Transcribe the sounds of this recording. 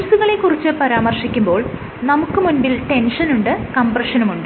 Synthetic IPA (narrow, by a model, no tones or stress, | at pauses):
usuɣɐɭe̞kːurit͡ɕːɨpɐɾaːmɐrʂikʲːumbo̞ːɭ | nɐmukːɨmunbilʈe̞nʂɐnuɳɖɨkɐmprɐʂɐnumuɳɖɨ